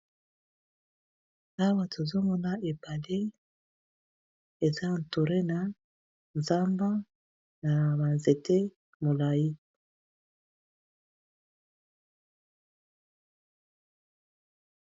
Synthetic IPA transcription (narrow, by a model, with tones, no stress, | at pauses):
a˦wa˦tʰo˨zo˦mɔ˦na˦e˨ba˨le˦ | e˨za˦n̩˨to˨ɾe˦na˨ | nza˦mba˦ | na˨ba˨nze˨te˦ | mo˨la˨ji˦